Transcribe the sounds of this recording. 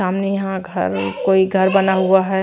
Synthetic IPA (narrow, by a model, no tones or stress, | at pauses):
aːmnejɐɦãɡʱɐ̰ɾkoːiɡʱɐɾbɐnaɦuaɦɛ